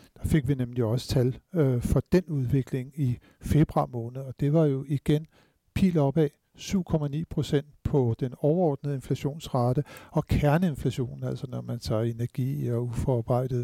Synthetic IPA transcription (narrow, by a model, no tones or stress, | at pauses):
d̥ɑ̈fe̝ɡ̥ʋinemliɒ̽sə̥t͡sʰælfɒ̽d̥enuðˠʋe̝ɡ̥le̝ŋi | fe̝b̥ʁɑ̈mɔ̽ːnð̩ˠɒ̽d̥e̝ʋɑ̈jo̝iɡ̥en | pʰḭːlɒ̽b̥ɛ | syʊ̰kʰɒ̽mænḭːpʰʁo̝sen̰d̥̚pʰɒ̽d̥enɒʊɐɒːd̥̚nəð̩ˠe̝nflæɕo̝̰ːnsʁɑ̈ːd̥əɒ̽kʰæɐnəe̝nflæɕo̝̰ːnn̩æl̰sɒnɒmænt͡sʰɑ̰̈e̝næɐɡ̥ḭːɒufɒɑ̈ːb̥ɑ̈ɪ̰d̥ð̩ˠ